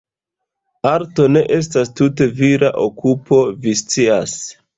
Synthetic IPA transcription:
aɾto̞ne̞ʔe̞s̬tastute̞viɾaʔokupo̞vist͡sias

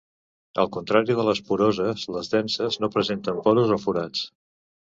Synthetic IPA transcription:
ə̰lˠkunt̪ɾaɾiðələspuɾozəzləzðɛnsəznopɾəzent̪əmpɔɾuzofuɾat͡s

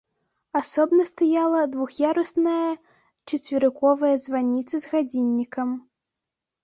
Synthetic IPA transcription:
asɔbnɐst̪ajalˠɐd̪vuxjaɾɐsnɐjɐ | t͡ʂɐt͡sʲvʲiɾɨkɔvɐjɐzvanʲit̪sɨzɣad͡zʲinʲːikɐm

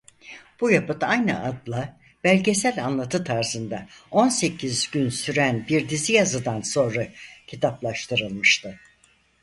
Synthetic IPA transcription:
b̥ujapɯt̪ajnɯʔad̪lˠa | b̥ælʲɟe̞sælʲanlˠat̪ʰɯt̪ʰaɾsɯnd̪ao̞nse̞cʰizɟynsyɾænbiɾd̪izijazɯd̪anso̞nɾacʰit̪ʰaplˠaʃt̪ʰɯɾɯlˠmɯʃt̪ʰɯ

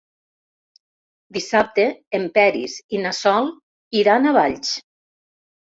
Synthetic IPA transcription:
d̪isap̚t̪eːmpɛɾḭsinasɔlˠ | iɾanaβaʎʲt͡ʃ

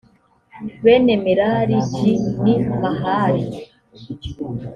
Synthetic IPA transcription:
βenemiɾaɾitinimaɦaːɾi

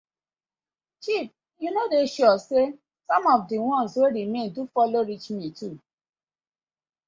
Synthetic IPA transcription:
t͡ʃip̚ | junodeʃɔse | sɔ̃mɔfdiwɔ̃nsweɾimẽndufɔloɹit͡ʃmĩtu

